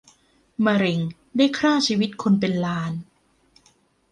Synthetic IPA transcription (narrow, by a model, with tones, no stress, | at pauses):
ma˧ɾe˨˩ŋ | daː˥˩jkʰɾaː˥˩t͡ɕʰiː˧wi˦˥t̪̚kʰo˧np̬e˧nlaː˧n